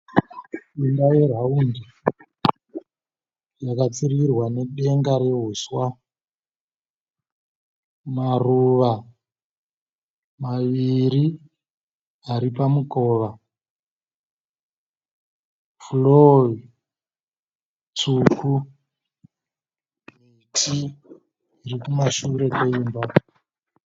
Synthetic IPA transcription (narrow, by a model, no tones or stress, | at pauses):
iŋdajeraundi | jakat͡sirirwane̞ɗe̞ŋɡaɾe̞ɦuswa | maruʋa | maʋiɾi | aɾipamukoʋa | floi | t͡sukʰu | me | tʰi | irikumaʃuɾe̞koiːmba